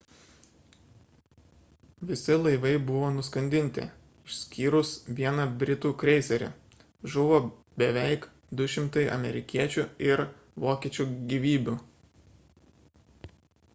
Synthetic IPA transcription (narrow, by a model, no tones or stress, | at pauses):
ʋʲɪsʲɪlˠɐɪʋɐɪbʊʋoːnʊskɐnʲd̪ʲɪnʲt̪ʲɪ̰ | ɪʃʲsʲkʲiːɾʊsʋʲiɛnɐbʲɾʲɪt̪uːkɾʲɛɪsʲɛɾʲɪ̰ | ʒʊʋoː | bʲɛʋʲɛɪk | d̪ʊʃʲɪmt̪ɐɪʔɐ̰mʲɛɾʲɪkʲiɛt͡ʃʲuɪɾ | ʋoːkʲiɛt͡ʃʲuːɡʲiʋʲiːbʲu